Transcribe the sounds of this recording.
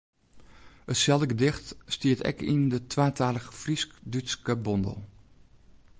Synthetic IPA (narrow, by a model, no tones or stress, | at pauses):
ətsɛlˠdəɡədɪxtstiətɛ̰kindətʰʋaːtʰaːləɣəfriskdyskəbɔndə̰lˠ